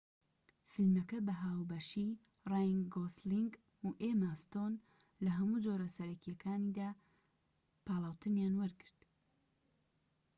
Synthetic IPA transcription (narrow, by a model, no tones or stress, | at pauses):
fɨlmɐkɐbɐɦaːwbɐʃi | rajŋɡosliŋɡ | uʔemast̪on | lɐɦɐmuːd͡ʒoɾɐsɐɾɐkijɐkʰaːnid̪aː | pʰaːlˠaːwt̪ʰɨmjaːnwɐɾɡɨɾd̪̥